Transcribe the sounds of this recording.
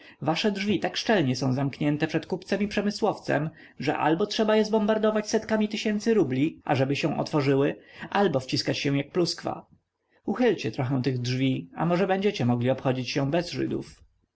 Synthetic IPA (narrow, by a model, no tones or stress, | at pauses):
vaʂɛdʐvʲit̪akʂt͡ʂɛlɲɛsɔ̃w̃zamkɲɛnt̪ɛpʂɛt̪kupt̪sɛmipʂɛmɘswɔft̪sɛ̰m | ʐɛ̰ʔa̰lbɔtʂɛbajɛzbɔmbaɾd̪ɔvat͡ɕsɛt̪kamʲit̪ɘɕɛnt̪sɘɾublʲiʔa̰ʐɛbɘɕɛw̃ʔɔ̰t̪fɔʐɘwɘʔalbɔft͡ɕiskat͡ɕɕɛw̃jak̚pluskfa̰ | uxɘlt͡ɕɛt̪ɾɔxɛ̃w̃t̪ɘɣdʐvʲia̰mɔʐɛbɛɲd͡ʑɛt͡ɕɛmɔɡlʲiɔpxɔd͡ʑit͡ɕɕɛ̃bɛzʐɘ̰d̪ṵf